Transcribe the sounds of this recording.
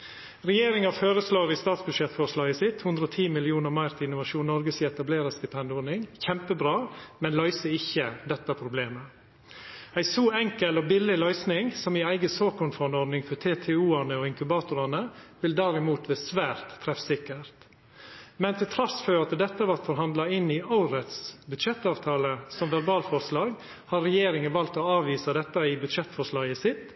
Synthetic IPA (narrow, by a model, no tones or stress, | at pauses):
ɾɛjeːɾɪŋɑføːɾəslɑːɾɪst̪ɑːt̪sbʉd̪ʃjɛt̪fɔʂlɑːɡəsɪt̪hʉnd̪ɾəɔt̪ʰiːmɪlɪuːnəɾmæɪɾt̪ʰɪɪnʊʋɑʃuːnnɔɾɡəsɪɛt̪ɑbleːɾəst̪ɪpʰɛnd̪ɪɔɾnɪŋçɛmpəbɾɑːmɛnlœʏsəɪçːəd̪ɛt̪ːɑpʰɾʊbleːmə | æɪsoːɛŋkəlɔbɪlːɪlœʏsnɪŋsɔmɪæɪɡəsoːkʊnfɔnɔɾd̪nɪŋfɔt̪ʰeːt̪ʰɛuːɑnəɔɪŋkʉbɑːt̪ʊɾɑnəʋɪld̪æɾɪmuːt̪ʋɛsʋæːɾt̪ʰːɾɛfsɪkːəɾt̪ | mɛnt̪ʰɪlt̪ʰɾɑsføːɾɑt̪d̪ɛt̪ːəʋɑɾt̪fɔɾɦɑnd̪lɑɪnːɪʔɑʊɾət̪sbʉd̪ʃɛt̪ːɑːʋt̪ʰɑːləsɔmʋæɾbɑːlfɔɾʂlɑːɡ | hɑɾɛjeːɾɪŋənʋɑlt̪ɔɑːʋiːsəd̪ɛt̪ːəɪbʉd̪ʃɛt̪fɔʂlɑːɡəsɪt̪